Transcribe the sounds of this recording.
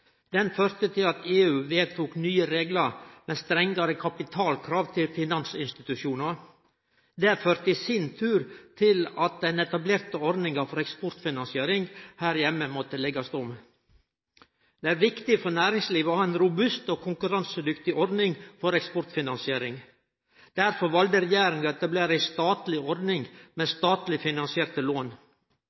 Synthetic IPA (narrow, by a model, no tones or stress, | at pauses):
d̪̥ɛnføːɾt̪ət̪ʰɪlɑt̪ʰeːʉːʋeːt̪ʰuːknyːəɾeːɡləɾmɛnst̪ɾɛŋɡɑɾəkʰɑpɪt̪ʰɑːlkʰɾɑːʋt̪ʰɪlfɪnɑnsɪnst̪ɪt̪ʉʃjuːnɑɾ | d̪ɛføːɾt̪əɪsɪnt̪ʰʉːɾt̪ʰɪlɑt̪̚d̪ɛnɛt̪ɑbleːɾt̪əɔɾd̪ɪŋɑfɔɾɛkspɔɾt̪fɪnɑnsɪeːɾɪŋhæɾjɛmːəmɔt̪əlɛɡɑst̪ɔm | d̪̥ɛæɾʋɪkt̪ɪfɔɾnæːɾɪŋsliːʋəoːhɑːɛnɾʊbʉst̪oːkʰʊŋkʉɾɑnsəd̪ʏkt̪ɪʔɔɾd̪nɪŋfɔɾɛkspɔɾt̪fɪnɑnsɪeːɾɪŋ | d̪̥æɾfɔɾʋɑld̪əɾɛjæːɾɪŋɑɛt̪ɑbleːɾæɪst̪ɑːt̪lɪɔɾd̪nɪŋmɛst̪ɑːt̪lɪfɪnɑnsɪeːɾt̪əloːn